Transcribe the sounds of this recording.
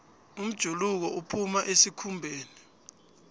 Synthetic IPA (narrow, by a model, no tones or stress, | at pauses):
um̩d̥ʒ̥ʱuluk̬ɔʔupʰumaʔesikʰumbʱeːni